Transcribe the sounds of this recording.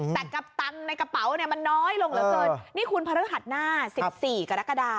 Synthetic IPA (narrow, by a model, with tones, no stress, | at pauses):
t̪ɛ˨˩ka˧˩p̚t̪a˧ŋna˧jka˧pa˩˦wni˥˩ɐma˧nːɔː˦˥jlo˧ŋlɯː˨˦˧lɤː˧jniː˥˩kʰu˧npʰa˧ɾɯː˦˥ɦa˨˩t̪̚naː˥˩si˨˩p̚siː˨˩ka˧ɾa˦˥ka˧daː˧